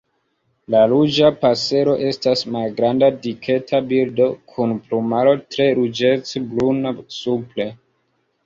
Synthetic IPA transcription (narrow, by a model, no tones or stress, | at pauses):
lalud͡ʒapase̞ɾo̞ʔe̞stasmalɡɾandadikʰe̞tʰabildo̞kʰunplumalo̞tɾe̞ɾud͡ʒe̞t͡seblunasuple